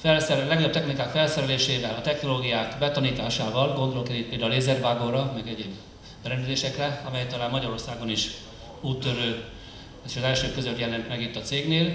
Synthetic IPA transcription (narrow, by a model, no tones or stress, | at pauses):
fɛlsɛlɛɡlɛb̚t̪ɛxnikaːkfɛlsɛɾɛleːʃeːvɛlɒt̪ɛxno̞loːɡijaːkbɛt̪ɒniːt̪aːʃaːvɒlɡo̞nd̪olokɛɾit̪̚peːld̪auleːzɛrvaːɡo̞rɾɒmɛɡɛɟeːb | b̥ɛɾɛnd̪ɛzeːʃɛkrɛɒmɛjɛkt̪ːɒlaːmmɒɟɒɾo̞rsaːɡo̞niʃ | uːt̪ːøɾøː | eʃɒzɛlʃøːkːø̞zøt̪jɛlɛnt̪mɛɡit̪ːɒt̪seːɡneːl